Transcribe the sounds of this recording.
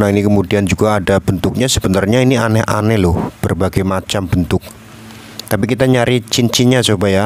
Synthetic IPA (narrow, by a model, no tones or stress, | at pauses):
nainikəmudiand͡ʒuɡaːdab̥ənt̪ʊk̚ɲasəbənarɲainianɛɦʔa̰nɛlʊhb̥ərbaɡajmat͡ʃambənt̪ʊk̚ | t̪apikit̪aɲaɾit͡ʃint͡ʃiɲasobaja